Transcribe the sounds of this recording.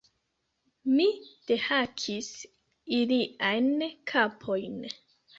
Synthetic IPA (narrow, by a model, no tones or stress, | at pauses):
mid̥ehakʰis | iliʔajnkʰapʰo̞jn